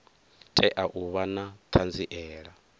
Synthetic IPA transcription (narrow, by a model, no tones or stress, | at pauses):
tʼɛʔaʔuβanat̪ʰand͡ziʔɛːɺa